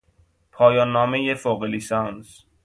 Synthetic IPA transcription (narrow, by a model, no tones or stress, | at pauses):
pʰɒːjɒːnːɒːmejefoːɣelisɒns